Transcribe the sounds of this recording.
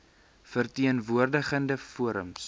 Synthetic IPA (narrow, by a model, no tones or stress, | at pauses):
fərtiənvuərdəχəndəfuəɾə̰ms